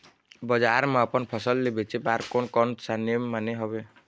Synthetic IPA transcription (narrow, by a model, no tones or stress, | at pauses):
bɔd͡ʒaɾmapɔnpʰɔsɔlːebet͡ʃʰebaɾkonkɔnʈsanemːaneɦɔbe